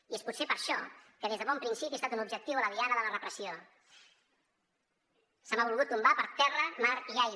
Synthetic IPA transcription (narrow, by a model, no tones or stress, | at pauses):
iespusepəɾʃɔkəðezðəβɔmpɾinsipiest̪at̪unubʒək̚t̪iwələðianəðələrəpɾəsio | səmaβulˠɣut̪̚ːumbapəɾt̪ɛrəmaɾʒaj